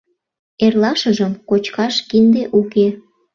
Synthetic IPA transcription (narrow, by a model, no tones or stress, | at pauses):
erlɑʃəʒəmkot͡ɕkɑʃkind̪eʔuke